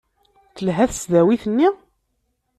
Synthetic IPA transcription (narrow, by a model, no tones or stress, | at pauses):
θəlɦæθəsðæwiθənːi